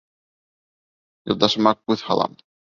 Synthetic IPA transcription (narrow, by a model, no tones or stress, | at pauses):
jŏ̰lˠd̪ɑʃmɑkʉðhɑ̰lˠɑ̰m